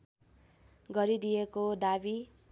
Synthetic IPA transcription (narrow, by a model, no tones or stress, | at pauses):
ɡʌɾid̪ijekod̪abi